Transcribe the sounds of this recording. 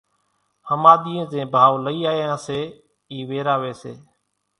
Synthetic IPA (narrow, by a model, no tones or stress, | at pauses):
həmaːɗ̪iːẽːzẽːbʱaːʊləiːaːjãːseː | iːʋeːɾaːʋeːsḛː